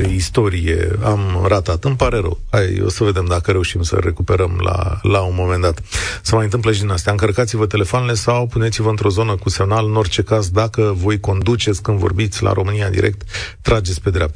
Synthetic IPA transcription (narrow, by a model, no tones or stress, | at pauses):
ist̪o̞ɾije̞̰amɾat̪at̪ɨmpaɾe̞ɾə̰wajo̰səve̞d̪e̞md̪akəɾe̞uʃimsə̰ɾe̞kupe̞ɾəmla̰launmo̞me̞nd̪at̪səmajɨnt̪ɨmp̬ləʃ̬id̪inast̪ejaɨŋkərkat̪sivət̪e̞le̞foanele̞sawpunet̪sivəɨnt̪ɾo̞zo̞nəkuse̞mnalɨno̞rt͡ʃe̞kazd̪akəvo̞jko̞nd̪ut͡ʃe̞t̪sʲkɨnd̪vo̞̰rbit̪sʲla̰ɾʔo̞mɨniad̪ḭɾek̚t̪ː | ɾad͡ʒe̞t̪sʲpe̞d̪ɾeap̚t̪ḁ